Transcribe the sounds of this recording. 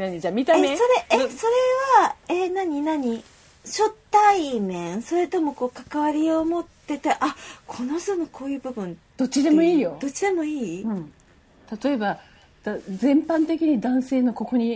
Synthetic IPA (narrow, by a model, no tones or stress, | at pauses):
naɲid͡ʑaːmʲit̪ameso̞ɾe̞eso̞ɾe̞βaenaɲ̟inaɲ̟i | ɕo̞t̪ːaimẽɰ̃so̞ɾe̞t̪o̞mo̞ko̞ːkakaβaɾʲio̞mo̞t̪ːe̞t̪e̞ʔakʰo̞noçt̪onokʰo̞ːjɯ̟ːbɯ̟bɯ̟̃n | d̪̥o̞t͡ɕːid̪e̞mo̞iːjo̞d̥̪o̞t͡ɕːid̪e̞mo̞iːɯ̃ | t̪at̪o̞e̞ba | d̪azẽ̞mpãnt̪e̞kʲiɲ̟id̪ãɰ̃se̞ːno̞ko̞ko̞ɲ̟i